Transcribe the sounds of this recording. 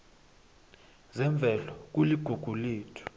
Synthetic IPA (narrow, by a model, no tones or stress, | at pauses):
zɛɱb̪vʱɛlɔk̬uliɡ̥ʱuɡ̥ʱuliːtʰɔ̥